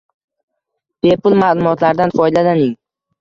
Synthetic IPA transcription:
pʰepʊlˠmaːlˠʊmɒt̪laɾd̪anfɒjd̪ad̪anɪŋ

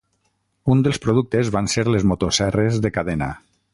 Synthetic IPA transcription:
und̪elˠspɾoðuk̚t̪ezβanseɾlezmot̪osɛrezðekaðena̰

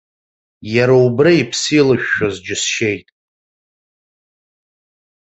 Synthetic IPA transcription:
jaɾaubraipʰsilaʃᶣːazd͡ʒɪsʃejtʼ

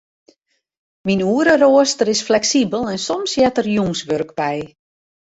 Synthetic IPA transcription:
minuːəɾəroəstərɪsflɛksibəlˠɛnsɔmsjɛtərjuŋsʋørkpɛj

